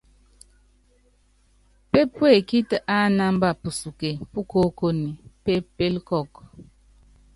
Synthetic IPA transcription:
pe˦pwe˦˨ki˦tə˨ʔa˦na˦m˦ba˨pu˨su˨ke˨pu˦ko˦ko˦ni˨pe˦pe˦lkɔ˦˨k

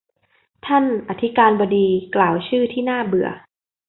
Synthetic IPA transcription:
t̪ʰa˥˩nʔa˨˧˩t̪ʰi˦˥kaː˧nbɔː˧diː˧klaː˨˩wt͡ɕʰɯː˥˩t̪ʰiː˥˩naː˥˩bɯ˨˩ɐ

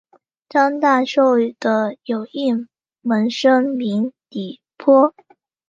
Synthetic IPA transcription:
ʈ͡ʂɑ˥ŋt̪a˥˩ʂo˥˩ʊy˨˩d̪̥ə˦jo˨˩ʊi˥˩n | wə˧˥nʂɤ˥ŋmi˧˥nt̪i˨˩ | pʰwɔ˥

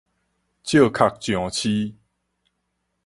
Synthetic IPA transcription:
t͡ɕjə˥˨kʰa˨k̚t͡ɕjɔ̃˨t͡ɕʰi˦

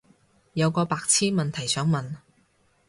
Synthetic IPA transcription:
jɐ˨˧wkɔː˧paː˧k̚t͡sʰiː˥nmɐ˨nt̪ʰɐ˨˩jsœː˨˥ŋmɐ˨n

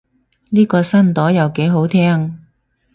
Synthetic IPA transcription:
niː˥kɔː˧sɐ˥nt̪ɔː˨˥jɐ˨wke˨˥jɦo˨˥wt̪ʰɛː˥ŋ

